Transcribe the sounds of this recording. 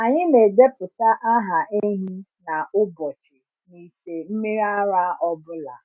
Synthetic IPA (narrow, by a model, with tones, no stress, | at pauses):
a˨ɲɪ˦me˨de˦pʊ˨ta˦ʔa˦ɦa˨e˦ɦi˦na˨ʊ˦bɔ˨t͡ʃɪ˨ | ni˨te˨m̩˦mi˦ɾa˦ɾa˦ɔ˦bʊ˦la̰˨